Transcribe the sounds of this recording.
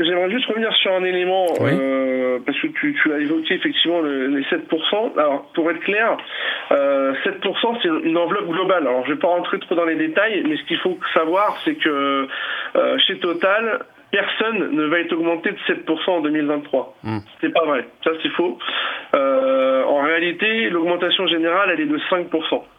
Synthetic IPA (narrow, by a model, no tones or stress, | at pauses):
ʒɛmʁɛʒyst̪əʁəvniʁsyʁɛ̃nelemɑ̃øpaʁskət̪ʰyt̪ʰyaevɔkʲeːfɛk̚t̪ivmɑ̃ləlesɛt̪̚puʁsɑ̃a̰lɔʁpuʁɛt̪χəklɛʁøsɛt̪̚puʁsɑ̃sɛt̪ynɑ̃vlɔp̚ɡlɔbalalɔʁʒəvɛpaʁɑ̃t̪χet̪χod̪ɑ̃led̪et̪ajmɛsə̥kʲilfosavwaʁsɛkə | ø̰ʃet̪ɔt̪al | pɛʁsɔnːəvaɛt̪χɔɡmɑ̃t̪ed̪əsɛt̪̚puʁsɑ̃ɑ̃d̪əmilvɛ̃t̪t̪ːχwasɛpavʁɛsasɛfo | øɑ̃ʁealit̪elɔɡmɑ̃t̪asjɔ̃ʒeneʁalɛlɛd̪əsɛ̃k̚puʁsɑ̃